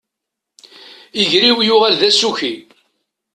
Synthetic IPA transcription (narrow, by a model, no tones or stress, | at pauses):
iʝɾiwjʊʁælðæsuçi